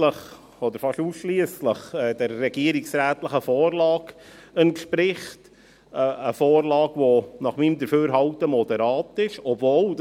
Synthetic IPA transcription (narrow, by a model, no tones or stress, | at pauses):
ləχ | ɔd̪əɾfɑʃusʃliəsləχɛːd̥əɾːɛɡ̥iəɾiksɾæːt̪ləχəfɔːrlɑːɡɛntʃpɾɪχt | əəfɔːrlɑːɡʋonɑχmiːmd̪əɾføːɾɦɑwtəmɔd̪ɛɾɑːtɪʃɔbvoːl